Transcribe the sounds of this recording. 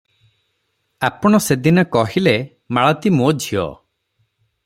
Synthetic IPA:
apɔɽ̃ɔsed̪inɔkɔɦile | maɭɔt̪imod͡ʒʱijɔ̰

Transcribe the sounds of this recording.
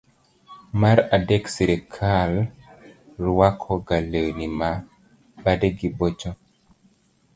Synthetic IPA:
maɾadɛksiɾekʰal | ɾwakʰɔɡalewnima | badeɡibot͡ʃo

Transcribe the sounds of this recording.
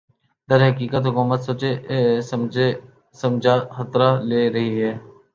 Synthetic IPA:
d̪əɾɦəkiːkət̪ɦʊkuːmət̪sət͡ʃesm | səmd͡ʒʱaxət̪ɾaːleːɾəɦiɦɛː

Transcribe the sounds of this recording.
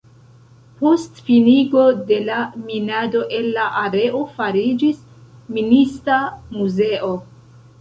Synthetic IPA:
po̞stfiniɡo̞de̞laminado̞ʔe̞nːaʔaɾe̞ʔo̞faɾid͡ʒis | ministamuze̞ʔo̞

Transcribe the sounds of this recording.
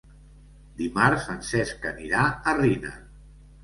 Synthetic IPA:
d̪imaɾsfənsɛskəniɾaərinə̰

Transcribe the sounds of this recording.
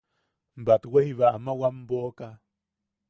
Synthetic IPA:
mbat̪wehiβaamawamboka

